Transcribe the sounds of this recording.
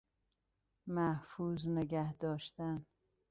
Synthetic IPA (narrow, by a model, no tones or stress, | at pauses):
mæhfuzneɡæhd̪ɒːʃt̪æn